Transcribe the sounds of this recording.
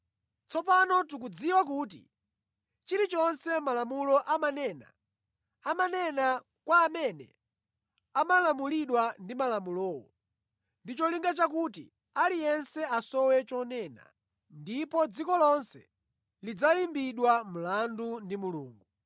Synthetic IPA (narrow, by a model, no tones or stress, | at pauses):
t͡sɔpanɔtuk̬ud͡ziwakuːt̬ḭ | t͡ʃiɾit͡ʃɔnsɛmalamulɔʔamanɛːna̰ | amanɛna | kwaːmɛnɛ̰ | amalamuliɗwandimalamulɔːwɔ̰ | ndit͡ʃɔliŋɡat͡ʃakutḭ | alijɛnsɛasɔwɛt͡ʃɔnɛːna̰ | ndipɔd͡zikɔlɔnsɛ̰ | lid͡zajimbiɗwam̩landundimuluːŋɡu